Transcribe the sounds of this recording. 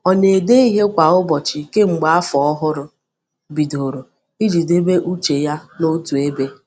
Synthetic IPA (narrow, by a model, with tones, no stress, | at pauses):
ɔ˨ne˨de˦i˦ɦe˦kʷa˨ʊ˦bɔ˨t͡ʃɪ˨ke˦ŋ͡m̩˨ɡ͡ba˨a˦fɔ˨ɔ˦ɦʊ˦ɾʊ˦ | bi˨do˨ɾo˨ | i˦d͡ʒi˨de˦be˦ʔu˦t͡ʃe˨ja˦no˦tu˨e˦be˦